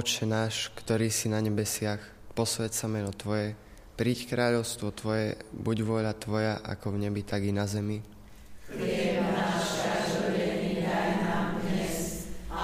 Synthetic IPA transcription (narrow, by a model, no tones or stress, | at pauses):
ɔt͡ʃɛnaːʃkt̪ɔɾiːsinaɲɛbɛsɪax | pɔsʋɛtsamɛnɔt̪ʋɔjɛ | pɾiːckɾaːʎɔʊst̪ʋɔt̪ʋɔjɛbuɟʋʊɔʎat̪ʋɔjaʔa̰kɔvɲɛbit̪aɡinazɛmi | ɪɛaʃaɔɛnikɾajinad̪ɲɛs